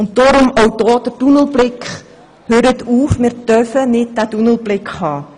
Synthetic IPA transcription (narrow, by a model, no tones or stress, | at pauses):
ʊnttɔɾʊmɔwd̥ɔːd̪̥ətunəlblɪkχ | høːɾətuːfmɪːɾdœfənɪt̚dæːtunəl̩ˠb̥lɪkχhɑː